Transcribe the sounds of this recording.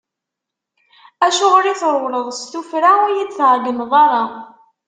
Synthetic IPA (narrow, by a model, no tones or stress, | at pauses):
æʃʊʁlit͡sɾˤwləðˤst̪ufɾaʊjid̪θʕɡənðˤɑɾˤɑ